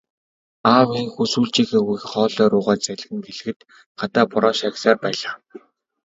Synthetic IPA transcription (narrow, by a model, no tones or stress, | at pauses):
aːwiːŋxusuːɮt͡ɕiːxeːɣikχɔːɮɔːɾʊːʁaːt͡sæɮ̆ʲɣɘ̆ŋɡeɮɘ̆ɣɘ̆t̪ | ɢat̪aːpʊɾɔːʃaksaːrpæːɮaː